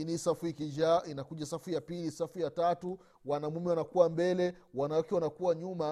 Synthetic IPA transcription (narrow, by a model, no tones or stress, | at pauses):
inisafuikid͡ʒaʔinakuʄasafujapilisafujatatu | wanamumɛwanakuwambɛlɛ | wanawakɛwanakuwaɲuma